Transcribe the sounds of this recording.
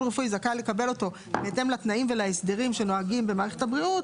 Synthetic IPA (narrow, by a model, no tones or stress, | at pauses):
ʁefujzakale̞kabe̞lo̞to̞ | beːte̞mlat̪naimve̞laesd̪eʁimʃe̞no̞aɡimbe̞maːʁeχe̞tabʁiut